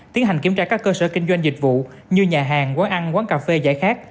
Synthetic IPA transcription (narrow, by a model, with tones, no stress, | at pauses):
t̪i˨˦ənɦa˨˩ŋki˧˩əmt͡ɕaː˧˩kaː˦˥kːəː˧səː˧˩kï˧ŋ̟zwa˧jŋ̟zï˨˩k̟̚vṵ˧˨ | ɲɨ˧ɲaː˨˩ɦaː˨˩ŋkwaː˨˦nʔa˧nkwaː˨˦nkaː˨˩fe˧za̰ː˧˥˨jxaː˦˥k̚